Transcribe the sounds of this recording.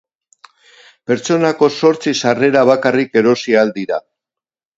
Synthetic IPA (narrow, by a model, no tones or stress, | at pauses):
pe̞ɾt͡so̞nako̞so̞ɾt͡sisare̞ɾaβ̞akarike̞ɾo̞siald̪iɾa